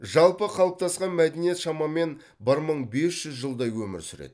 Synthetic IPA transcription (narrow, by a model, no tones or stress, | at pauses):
ʒɑlˠpəqʰɑlˠəp̚t̪ʰɑsqɑnmæd̪enijet̪ʃɑmɑme̞n | bɪɾməɴbe̞sʒ̥ʏzʒəlˠd̪ɑjwɵmɪ̰ɾsʏɾḛd̪̥ɪ